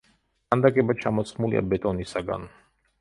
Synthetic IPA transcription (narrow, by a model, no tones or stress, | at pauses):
kand̪akʼɛbat͡ʃʰamɔt̪sχmulḭʔa̰bɛt̪ʼɔnisaɡa̰n